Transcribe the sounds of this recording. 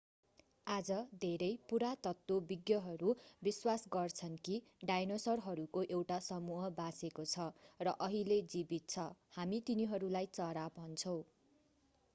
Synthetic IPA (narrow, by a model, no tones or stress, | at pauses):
ad͡zʌd̪ʱeɾʌjpuɾat̪ʌt̪wobiɡjʌɦʌɾubiswasɡʌrt͡sʰʌnki | ɖajnosʌrɦʌɾukoʔewʈasʌmuɦʌbasekot͡sʰʌrʌʔʌɦiled͡zibit̪̚t͡sʰʌhamit̪iniɦʌɾulajt͡sʌɾabʱɦʌnt͡sʰʌw̃